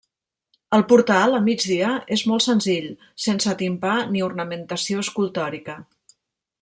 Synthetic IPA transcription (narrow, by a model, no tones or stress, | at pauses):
əlˠpuɾt̪alˠəmid͡ʒðiəezmɔlˠtsənziʎ | sensət̪impaniurnəmənt̪əsioəskulˠt̪ɔɾikə